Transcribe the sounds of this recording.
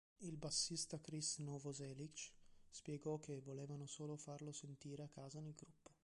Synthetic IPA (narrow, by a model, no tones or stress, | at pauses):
ilbasːist̪akɾisnovozɛlikt͡ʃspjɛɡɔkːevoleːvanosoːlofarlosent̪iːɾeakːaːzanelɡɾupːo̥